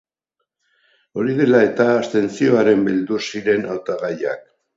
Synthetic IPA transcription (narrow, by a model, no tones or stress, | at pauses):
o̞ɾið̞e̞lae̞t̪aːst̪e̞nt͡sio̞aɾe̞mbild̪usiɾe̞nawt̪aɣaja̰k̚